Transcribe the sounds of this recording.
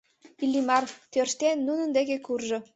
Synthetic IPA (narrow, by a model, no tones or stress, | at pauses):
ilʲːimɑrt̪ørʃt̪enːunə̆nd̪eɣekurʒɤ̆